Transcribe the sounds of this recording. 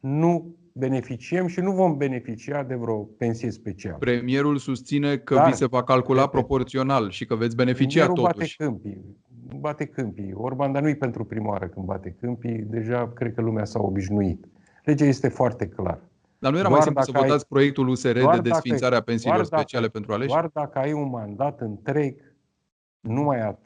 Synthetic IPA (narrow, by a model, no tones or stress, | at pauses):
nu | be̞ne̞fit͡ʃiemʃinuvo̞mbe̞ne̞fit͡ʃiad̪e̞vɾo̞pe̞nsije̞spe̞t͡ʃia̰lpɾe̞mije̞ɾulsust̪sine̞kəvise̞vakalpkulapɾo̞po̞rt̪sio̞nalʃikəvet̪s̬ʲbe̞nefimt͡ʃiauoat̪ueʃkɨmpi | bat̪e̞kɨmpiorband̪anujpe̞nt̪ɾupɾimawa̰ɾəkɨn̚ba̰t̪e̞kɨmpid̪e̞ʒakɾed̪̚kəlumeasaobiʃnuit̪ | le̞d͡ʒaje̞st̪e̞foart̪e̞kla̰r | d̪arnuje̞ɾamaj̪imp̪usəvoat̪sʲpɾo̞je̞k̚t̪uluse̞ɾe̞ed̪e̞sfinsaɾeape̞nsilorspe̞t͡ʃiale̞pe̞nt̪ɾualeard̪akəajunmand̪at̪ɨnt̪ɾe̞ɡ | numaja